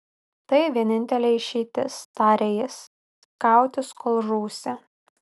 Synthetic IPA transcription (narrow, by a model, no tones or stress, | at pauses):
t̪ɐɪʋʲiɛnʲɪnʲt̪ʲɛlʲɛɪʃʲiːt̪ʲɪst̪ɑːɾʲɛjɪs | kɑˑʊt̪ʲɪskolˠʒuːsʲɛ